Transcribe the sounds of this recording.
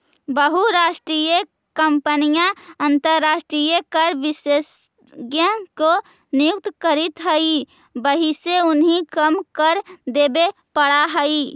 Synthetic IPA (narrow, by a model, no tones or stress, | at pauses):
bəɦuɾaːʃʈɾijə | kəmpənijãənt̪əɾːaːsʈɾijəkəɾʋɪses | ɡjə̃ko | nijuk̚t̪kəɾit̪ɦəi | bəɦiseʊnɦĩkəmkəɾd̪ebe | pəɽaɦəi